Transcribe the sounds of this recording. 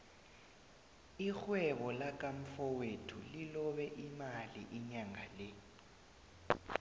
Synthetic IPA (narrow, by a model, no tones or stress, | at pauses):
ixwɛɓɔlak̬ʼaɱ̩fɔwetʰulilɔɓɛʔimalḭʔiɲaŋale